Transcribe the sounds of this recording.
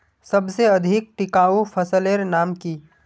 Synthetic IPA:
sɐbseɐd̪ʱɪk̚ʈɪkaːupʰəsəleɾnaːmki

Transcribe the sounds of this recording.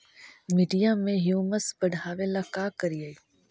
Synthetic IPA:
miɖijamẽɦjuːməsbəɽ̤ʱaːʋelakaːkəɾiaːi

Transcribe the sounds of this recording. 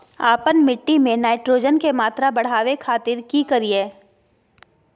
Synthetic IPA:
aːpənmɪʈːimẽnaːɪʈɾoːd͡ʒənkemaːt̪ɾabɐɽ̤aːʋekʰaːt̪ɪɾkikɐɾieː

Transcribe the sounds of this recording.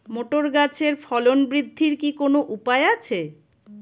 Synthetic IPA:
moʈoɾɡat͡ɕʰeɾfɔlonbɾid̪ʱːiɾkikonoʔupaeat͡ɕʰe

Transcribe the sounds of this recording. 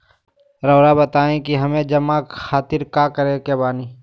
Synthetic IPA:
ɾəːɽabət̪aːẽkiɦɐmẽd͡ʒɐmakʰaːt̪ɪɾkaːkəɾekebaːniː

